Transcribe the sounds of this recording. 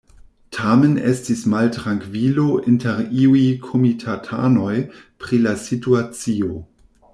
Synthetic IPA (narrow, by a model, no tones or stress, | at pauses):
tʰame̞nḛstismaltɾaŋkvilo̞ʔinteɾiujkʰomitʰatʰa̰no̞jpɾilasituat͡sio